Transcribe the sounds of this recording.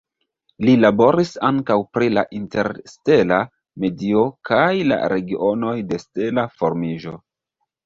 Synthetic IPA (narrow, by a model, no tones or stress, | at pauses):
lilabo̞ɾisaŋkawpɾilaʔinte̞ɾste̞la | me̞dio̞kajla̰ɾe̞ɡiʔo̞no̞jde̞ste̞lafo̞ɾmiʒo̞